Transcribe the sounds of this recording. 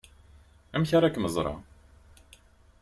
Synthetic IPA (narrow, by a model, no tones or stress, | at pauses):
æmçaɾˤækːməzˤɾˤɑ̰